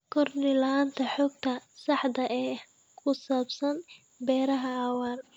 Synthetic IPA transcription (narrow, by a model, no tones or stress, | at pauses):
kʰɔrnɪlɐaːnt̪ʰɐħɔːɡ̚t̪ʰɐsɑħd̪ɐʔɛː | kʰʊsaːbsɐn | bɛːɾɐɦɐɑːwaːl